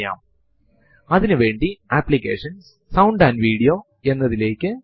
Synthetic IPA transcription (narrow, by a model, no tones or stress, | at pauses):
ja̰ːm | ɐðinɨʋe̞ːɳɖiapːlikʲːe̞ːʂɐns | sɐwɳɖaːnɖʋiːɽijo̞ː | e̞nːɐðile̞ːkʲːɨ